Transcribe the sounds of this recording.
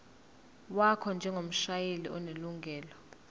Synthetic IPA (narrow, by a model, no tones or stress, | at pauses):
wakʰɔnd͡ʒʱɛŋɡʱom̩ʃajeliɔneluŋɡʱɛːlɔ